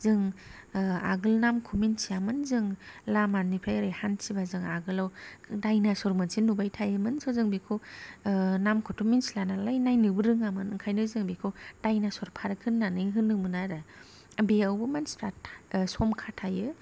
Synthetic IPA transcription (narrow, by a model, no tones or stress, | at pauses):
zɯŋ | a̰ɡɯlnamkʰuminsiamɯnzɯŋlamanipʰajɾajhansibazɯŋaɡɯlawdajnasɔɾmɯnsinubajtʰajɯmɯnsɔzɯŋbikʰo | namkʰɔtʰɔminsilanalajnajnɯbɯɾɯŋamɯnɯŋkʰajnɯzɯŋbikʰod̥ajnasɔɾpʰaɾɯkʰɯnːanɯjɦɯnːɯmɯnaɾa | beawbɯmanstʰatsɔmkʰatʰajɯ